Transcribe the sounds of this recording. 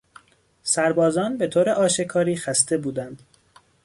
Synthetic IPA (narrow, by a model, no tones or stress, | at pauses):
sæɾbɒːzɒːnbe̞t̪ʰoːɾeʔɒːʃe̞kʰɒːɾiːxæst̪e̞buːd̪ænd̪̥